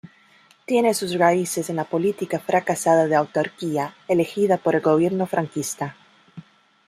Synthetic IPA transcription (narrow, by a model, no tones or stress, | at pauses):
t̪je̞nesusraisesenlapo̞lit̪ikafɾʔakasaðaðeawt̪aɾkiaele̞xiðapo̞ɾe̞lɣo̞β̞je̞ɾno̞fɾʔaŋkist̪a